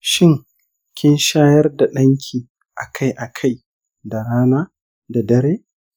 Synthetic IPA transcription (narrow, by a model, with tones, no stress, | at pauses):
ʃɪ˦ŋ | kʲɪ˦nʃaː˦jɐ˦rda˨ɗɐ˦ŋkʲʰiː˨ | ʔa̰˨kʰa˦˨jʔa˨kʰa˦j | da˨ɾaː˦naː˦ | da˨dɐ˦ɾeː˦